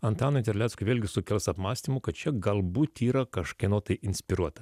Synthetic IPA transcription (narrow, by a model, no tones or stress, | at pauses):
ɐnt̪ɑːnoɪnt̪ʲɛɾʲlʲæt̪skʊɪʋʲeːlʲɡʲɪsʊkʲɛlʲˠsɐpmɑːsʲt̪ʲimʊkɐt̪̚t͡ʃʲɛɡɐlˠbuːt̪iːɾɐkɐʃkʲɐɪnoːt̪ɐɪʔɪnʲsʲpʲɪɾuɔt̪ɐ